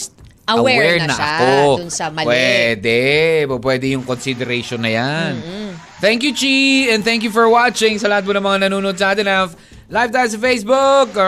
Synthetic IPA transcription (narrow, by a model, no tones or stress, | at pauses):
ɐwɛɹnɐʔɐkopwɛd̪ɛpɐpwɛːd̪ɛjʊŋkonsɪd̪ɛɾɛʃonːɐjan | θɛ̃ŋkjut͡ʃiɛ̃nθæŋk̬jʊfɔɹwat͡ʃɪŋsɐlɐhat̪̚monɐŋmɐŋanɐnuːnood̪sɐʔaːt̪ɛnɐ | lajfd̪ajs̬ɐfejsbʊk